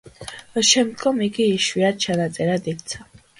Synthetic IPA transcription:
ʃɛmd̪ɡɔmiɡiːʃwiad̪̚t͡ʃʰanat̪sʼɛɾad̪ikt̪sʰa

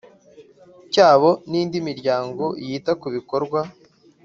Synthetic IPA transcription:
caːβo̞niːndimiɾɟaːŋɡo̞ijiːtakuβiko̞ɾɡwa

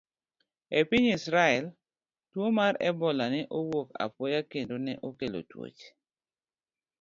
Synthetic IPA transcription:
epɪɲisɾaɛl | twomarɛ̰bɔlanɛʔowoka̰pwɔjakendonɛʔokelo̰two̰t͡ʃ

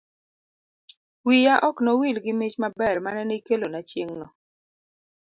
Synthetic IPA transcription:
wijaʔɔknowilɡɪmit͡ʃmabɛrmanɛneikelonat͡ʃjeŋnɔ

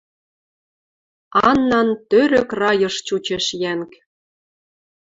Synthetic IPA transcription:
ɑnːɑnt̪øɾøkrɑjɤ̆ʃt͡ɕut͡ɕeʃjæŋk

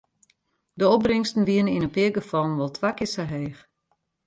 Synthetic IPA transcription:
dəɔp̚brɪŋstn̩ʋiənəinəpɪəɡəfɔlˠn̩ʋɔlˠtʰʋakɪsaɦeːx

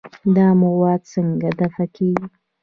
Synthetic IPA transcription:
d̪ɑmʊwɑd̪̚səŋɡad̪afakʰeɡi

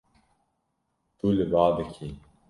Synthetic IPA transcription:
t̪ulebaːd̪ɨkʰi

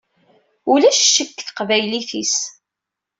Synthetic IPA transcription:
ulæʃʃːəkːθqvæjliθis

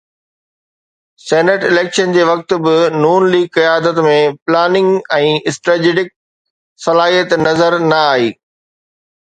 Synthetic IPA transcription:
seːnəʈɪleːkʃənd͡ʑeːʋɐk̚t̪̆bɪnuːnliːɡ̚kɐjaːd̪ət̪mẽplaːnɪ̃ŋɡɛ̃ːɪsʈɾəːd͡ʑeɖɪk̚ | sɐlaːɦijət̪nɐzəɾnɐaːɦeː

